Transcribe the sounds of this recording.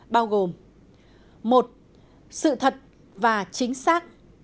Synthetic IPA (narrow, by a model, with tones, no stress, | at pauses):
ɓaː˧wɣo˨˩m | mo˨˩t̚ | sɨ̰˧˨t̪ʰə˨˩t̚ | vaː˨˩t͡ɕï˨˦ŋ̟saː˦˥k̚